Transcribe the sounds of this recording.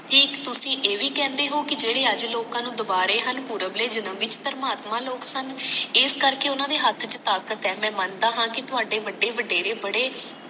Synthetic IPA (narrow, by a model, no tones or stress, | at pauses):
ʈʰiːkt̪ʊsĩːʔeːʋiːkɛ̃ːnd̪eːɦoːkɪd͡ʒeːɽeːəd͡ʒloːkãːnũːd̪ʊbaːɾeːɦənpuːɾəbleːd͡ʒɪnəmʋɪt͡ʃpəɾmaːt̪mãːloːksənɪskəɾkeːʊnãːd̪eːɦət̪ʰt͡ʃət̪aːkət̪ɛːmɛ̃ːmənd̪aːɦãːkɪt̪ʊɦaːɖeːʋəɖːeːʋəɖeːɾeːbəɽeː